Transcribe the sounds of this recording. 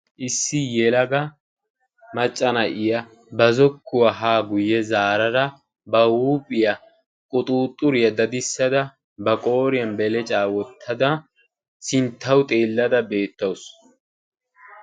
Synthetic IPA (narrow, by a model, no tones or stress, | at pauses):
ʔɪsːɪjɛlɐɡɐ | mɐt͡ʃʼːɐnɐʔɪjɐ | bɐzɔkːʊwɐɦaːɡʊjːɛzaːɾɐɾɐ | bɐwuːpʼɪjɐ | kʼʊt̪ʼuːt̪ʼːʊɾɪjɐd̪ɐd̪ɪsːɐd̪ɐ | bɐkʼo̞ːɾɪjɐnbɛlɛt͡ʃʼaːwɔt̪ʰːɐd̪ɐ | sɪnt̪ʰːɐwʊt̪ʼe̞ːlːɐd̪ɐbe̞ːt̪ːɐwʊs